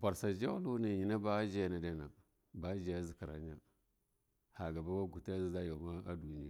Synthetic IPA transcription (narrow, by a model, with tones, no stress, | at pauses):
pa˨ɾsa˨d͡ʒa˦lu˦na˨ɲi˨na˦ba˦d͡ʒa˦na˨da˦na˨ | ba˦d͡ʒa˨a˦zi˨ka˨ɾa̰˨˦ɲa˦ | ha˨ɡa˨ba˦wa˦ɡu˨ta˦zi˦za˦jo˨ma˦a˦du˨ni˦ja̰˨